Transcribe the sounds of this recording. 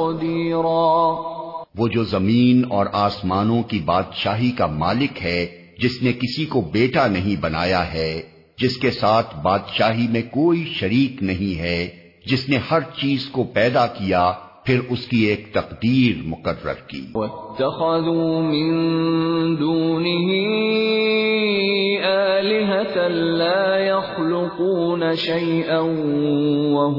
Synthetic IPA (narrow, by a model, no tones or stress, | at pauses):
d̪iːɾaː | ʋoːd͡ʒoːzɐmiːnɔːɾaːsmaːnõkibaːd̪ʃaːɦikamaːlɪkɦɛ | d͡ʒɪsnekɪsikobeːʈanɐɦĩbɐna̰ːjaɦɛ | d͡ʒɪskesaːt̪ʰbaːd̪ʃaːɦimẽkoːiʃɐɾiːqnɐɦĩɦɛ | d͡ʒɪsnehɐɾt͡ʃiːzkopɛːd̪akija | pʰɪɾʊskieːkt̪ɐqd̪iːɾmʊqərːə̰ɾkḭːwɐt̪ːaxaðuːmɪn | d̪uːnɪɦi | ʔaːlɪɦat̪alaːjɑxlʊquːnaʃajʔan | waɦ